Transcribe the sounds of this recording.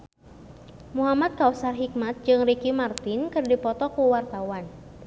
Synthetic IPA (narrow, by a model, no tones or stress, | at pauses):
muɦamat̪̚kausarɦik̚mat̪̚d͡ʒɨŋrikimart̪ɪnkɨrdipɔt̪ɔkuwart̪awan